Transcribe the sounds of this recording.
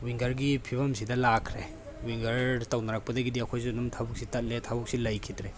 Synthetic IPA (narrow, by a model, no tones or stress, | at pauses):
wiŋɡɐɾɡipʰibɐms̬idɐlakʰɾe | wiŋɡɐɾtawnaɾak̚pɐdɐɡidiɐkʰojsunumtʰabuk̚sitɐt̚letʰabuk̚silɐjkʰitɾe